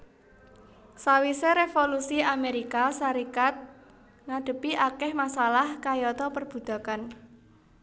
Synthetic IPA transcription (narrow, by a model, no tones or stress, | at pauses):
sawiseɾefolusiameɾikasaɾikat̪̚ | ŋaɖ̪̥ə̤piʔakɛhmasalahkajɔt̪ɔpərb̥ṳd̪̥a̤kan